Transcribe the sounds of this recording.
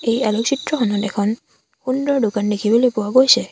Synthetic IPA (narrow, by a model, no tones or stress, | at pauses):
ejalɔksitɹɔxɔnɔtɛkʰɔn | xundɹɔɹdʊkandekʰibolojpʊwaɡojsɛ